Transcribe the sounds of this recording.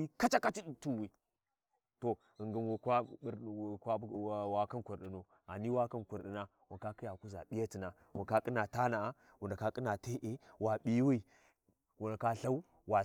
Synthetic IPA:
i˦ka˦t͡ʃa˦ka˦t͡ʃi˦˨tu˨wi˨ | to˨ | ə˨ŋɡə˨nwu˨kʷa˦˨ | kʷa˦wa˨ka˦nkʷu˨ɾɗi˨no˨ | a˨ni˦wa˦ka˦nku˨ɾɗi˨na˦ | wu˨ka˦ki˦ja˨ku˦za̰˨ɓi˦ja˦ti˨na˨ | wu˨ka˦kʼi˦na˨ta˦na˨a˦ | wu˨nda˨ka˦kʼi˦na˨te˦ʔe˦wa˨ɓi˦wi˦ | wu˨nda˨ka˦ɬa˦u˦ | wa˨

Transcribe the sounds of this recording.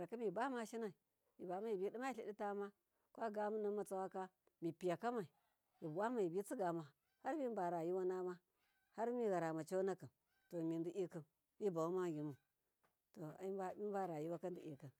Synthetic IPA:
ɾa˨ka˦mi˨ba˦ma˦ʃi˦na˨i˨ | ji˨ba˨˦ma˦i˨bi˦ɗi˦ma˦i˦ɬi˨ɗi˦ta˦ma˦ | kʷa˦ɡa˦mu˦na˦ma˨t͡sa˦wa˦ka˦ | mi˨pi˨ja˨ka˦ma˨i˨ | ji˨bwa˦ma˨ji˨bi˦t͡si˦ɡa˨ma˨ | ha˦ɾmi˦ba˨ɾa˨ji˦wa˦na˦ma˦ | ha˦ɾmi˦ɣa˨ɾa˨ma˨t͡ʃa˦na˦kə˨ | to˨mi˨ndi˨˦ʔi˦kə˨n | mi˦ba˨u˦ma˦ɡi˨mu˨ | to˨i˦a˦mi˦a˦ɾa˨ji˦wa˦ka˦ndi˨ʔi˨kə˨n

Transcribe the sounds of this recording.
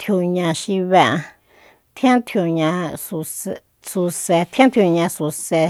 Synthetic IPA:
t̪ʰju˧ɲã˧ʃi˧βe˧ʔã˧ | t̪ʰjã˦t̪ʰju˧ɲã˧su˧ | su˧se˧t̪ʰjã˦t̪ʰju˧ɲã˧su˧se˧

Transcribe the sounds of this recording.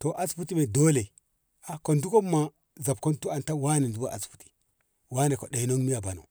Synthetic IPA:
to˨ʔa˦sfu˦ti˦me˨do˦le˨ | a˦ko˨ndu˦ko˦mːa˨ | za˨b̚ko˦ntu˦a˨nta˦wa˦ne˨ndu˦ba˦ʔa˨sfu̥˨ti̥˨ | wa˦ne˨ko˨ɗe˨no˦ŋmi˦ja˨ba˨no̰˨

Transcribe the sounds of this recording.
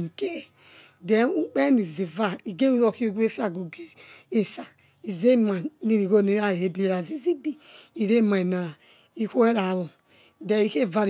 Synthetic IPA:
nu˨ke˦e˦˨ | dɛ˨˦u˦k͡pɛ˦ni˨zi˨va˦i˨ɡe˦u˦zo˧ki˦o˦ɡe˦fi˦a˦˨ɡo˨ɡe˦e˨sa˨ | i˨ze˦ma˨ni˧ɾi˨ɡo˦˨ni˨˦ɾa˦˨e˦bi˦e˨ɾa˨zi˦zi˦bi˦i˨ɾe˦˨ma˨i˨na˨ɾa˨ | i˦ko˦ɛ˦ɾa˨βo˨ | dɛ˨i˦ke˦˨va˧ɾ

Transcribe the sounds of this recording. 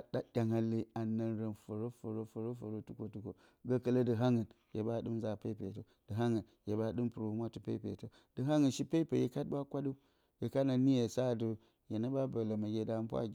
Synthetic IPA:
ɗa˦ɗʲa˨ŋa˨lːi˦a˨nə˨nɾə˨nfo˨ɾo˦fo˨ɾo˦fo˨ɾo˦fo˨ɾo˦tu˦ko˨tu˦ko˨ | ɡa˦kə˦lə˦dɨ˨ɦa˦ŋə˨n | je˨ba˦˨ɗɨ˦mza˨pe˦pe˨to˨ | d̥ɨ˨ɦa˦ŋə˨n | je˨ba˦˨ɗɨ˦mpu˨ɾo˨u˦mʷa˦tu˨pḛ˦pe˨to˨ | d̥ɨ˨ɦa˦ŋə˨nʃi˦pe˦pe˨je˦ka˦t̚ba˦kʷa˦du˦ | je˨ka˦na˨ni˦je˨sa˦˨du˨ | je˨na˦ba˦bə˨la˨ma˨ɡʲe˨da˨˦pʷa̰˦

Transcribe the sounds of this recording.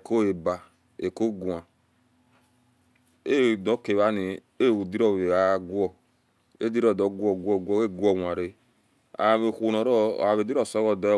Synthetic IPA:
ko˦e˨ba˨ | e˨ko˦ɡu˨ã˨ | e˦˨dɔ˨˦ke˨βa˦ni˨ | e˦˨wu˨di˦ɾɔ˦˨βe˨a˨˦ɡu˦ɔ˦˨ | ḛ˦di˦ɾɔ˦˨dɔ˨˦ɡu˦ɔ˦ɡu˦ɔ˦ɡwɔ˦e˦ɡu˦ɔ˨wã˨ɾe˦ | a̰˨βe˨xʷu˨nɔ˨ɾɔ̰˦˨a˨βe˨di˦ɾɔ˦˨sɔ˦wɔ˦dɔ˨˦

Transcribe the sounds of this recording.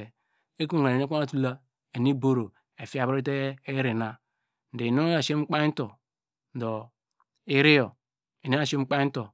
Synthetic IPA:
e˨ | e˦ku˦˨ŋa˨e˨e˦a˦na˦˨tu˦la˦ | e˨ni˦bo˦ɾo˨ | e˨fi˦a˨bɾi˦te˦ɾi˨na˨ | n̩˨de˨no˦a˨ʃe˦m̩˦k͡pa˦to˨ | do˨ | i˦ɾi˦jo˨ | i˨no˦a˨ʃe˦m̩˦k͡pa˦n̩˦to˨

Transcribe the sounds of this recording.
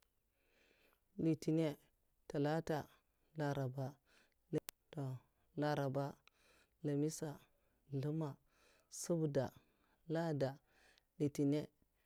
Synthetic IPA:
li˨ti˨ne˦ | ta˨la˦ta˨ | la˨ɾa˨ba˦ | lto˨ | la˨ɾa˨ba˦ | la˨mi˦sa˨ | lu˦ma˨ | su˦bda˨ | la˦da˨ | li˨ti˨ne˦

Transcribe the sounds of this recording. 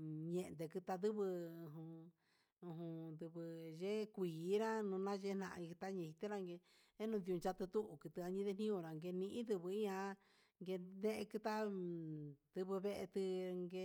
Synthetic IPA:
ɲẽ˧nd̪e˧kɨ˧t̪a˧ðɨ˦βɨ˧ɦũ˧ | ũ˧ɦũ˧nd̪ɨ˧βɨ˧ʒe˦kʷiː˨˦ɾã˦nũ˧nã˦˧ʒe˦nã˧ʔi˧t̪a˦ɲẽ˧hi˧t̪e˦ɾa˦˧ŋɡe˧ | e˦nũ˧d̪i˧ũ˧nt͡ʃa˧t̪ɨ˧t̪u˦ʔu˨kɨ˧t̪ɨ˧a˧ɲĩ˧˦ðe˧n̥ĩ˦õ˧ɾa˨ŋɡe˧nĩ˧ʔĩ˦d̪ɨ˧βɨ˧i˦ã˧ | ŋɡe˧nẽ˦ʔkɨ˧t̪a˦ | d̪ɨ˧βɨ˧βe˦˧ʔe˧t̪ɨ˧ŋɡe˧

